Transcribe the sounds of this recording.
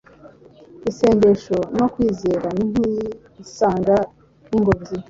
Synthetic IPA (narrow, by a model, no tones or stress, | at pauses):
ise̞ːɲɟeʃono̞kwiːzeːɾanin̥huji | isaːŋɡa | niŋɡovzi